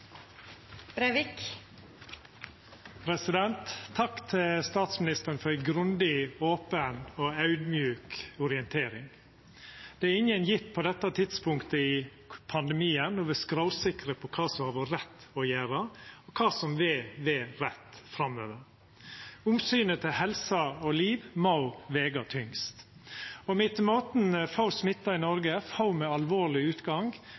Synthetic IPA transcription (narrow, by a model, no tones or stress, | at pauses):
bɾɛʋɪk | pʰɾɛsɪd̪ɛnt̪ʰːɑkːt̪ʰɪlst̪ɑːt̪smɪnɪst̪əɾənfɔɾæɪɡɾʉnd̪ɪoːpənoːɑʉd̪mjʉːkʊɾɪənt̪ʰeːɾɪŋ | d̪̥ɛæɾɪŋːənjɪt̪ːpʰɔd̪ɛt̪ːət̪ʰɪd̪spʊŋkt̪əɪ | pʰɑnd̪ɛmiːənːɔʋɪskɾaʊsɪkɾəpʰɔkʰɑːsɔmhɑːʋuɾɛt̪ːɔjæːɾəɔkʰɑːsɔmʋɪʋɛɾɛt̪ːfɾɑmːø̰ːʋəɾ | ʊmsyːnət̪ʰɪlhɛlsɑɔliːʋmɑʊʋeːɡɑt̪ʰʏŋst̪ | ɔmɪt̪moːt̪n̩fɑʊsmɪt̪ːɑɪnɔɾɡəfɑʊmɛɑlʋoːɭɪʉːt̪ɡɑŋɡ